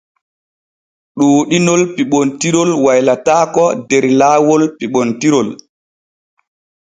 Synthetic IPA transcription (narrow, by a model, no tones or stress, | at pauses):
ɗoːɗinɔlpiɓɔntiɾɔlwajlataːkɔdɛɾlaːwɔlpiɓɔntiɾɔl